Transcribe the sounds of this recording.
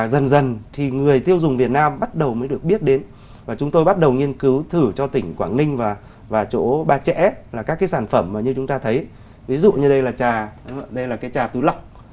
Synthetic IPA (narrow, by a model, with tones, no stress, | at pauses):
zə˨˩nzə˨˩nt̪ʰi˨˩ŋɨ˨˩əjt̪i˧əwzʊ˨˩ŋ͡mvi˨˩ət̚naː˧mɓa˦˥t̚ɗə˨˩wməː˨˦jɗɨ˨˩ək̚ɓi˦˥ət̚ɗe˨˦n | vaː˨˩t͡ɕʊ˨˦ŋ͡mt̪o˧jɓa˦˥t̚ɗə˨˩wŋi˧ənkɨ˨˦wt̪ʰɨ˧˩t͡ɕɔ˧t̪ï˧˩ŋ̟kwaː˧˩nnï˧ŋ̟vaː˨˩ | vaː˨˩t͡ɕo̰˧˥ɓaː˧t͡ɕɛ̰˧˥laː˨˩kaː˦˥kːaː˨˦saː˧˩nfə˧˩mːaː˨˩ɲɨ˧t͡ɕʊ˨˦ŋ͡mt̪aː˧t̪ʰə˨˦j | vi˨˦zṵ˧˨ɲɨ˧ɗə˧jlaː˨˩t͡ɕaː˨˩˨ɗə˧jlaː˨˩kaː˨˦jt͡ɕaː˨˩t̪u˨˦la˨˩wk͡p̚